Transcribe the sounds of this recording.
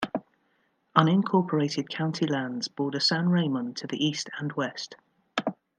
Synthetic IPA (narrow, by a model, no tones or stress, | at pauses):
ʌ̃nɪ̃nkʰɔˑpʰəɹeɪtʰɪd̥̚kʰãʊ̃ntʰilãndz̥b̥ɔːdəsãnɹeɪmə̃ntʰəðḭʔiˑstʰə̃nwɛst